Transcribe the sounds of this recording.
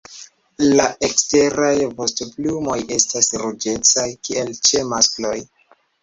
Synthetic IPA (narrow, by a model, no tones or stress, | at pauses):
laʔeksteɾajvostoplumo̞je̞stasɾud͡ʒe̞t͡sajkie̞lt͡ʃe̞masklo̞j